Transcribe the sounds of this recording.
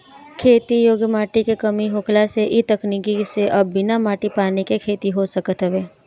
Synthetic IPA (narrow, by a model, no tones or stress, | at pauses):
kʰeːt̪ijoːɡjəmaːʈikekəmiɦoːklaseʔit̪əknikiseʔɐbːɪnamaːʈipaːnekekʰeːt̪iɦosəkət̪ɦəʋeː